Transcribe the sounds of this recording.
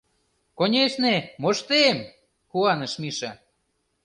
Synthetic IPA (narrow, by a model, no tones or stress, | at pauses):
konʲeʃnemoʃt̪em | kuɑnɤ̆ʃmiʃɑ